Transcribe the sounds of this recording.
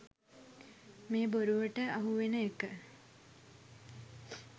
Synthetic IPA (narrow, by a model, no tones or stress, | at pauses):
meːboɾuʋəʈəʔaɦuʋenəekə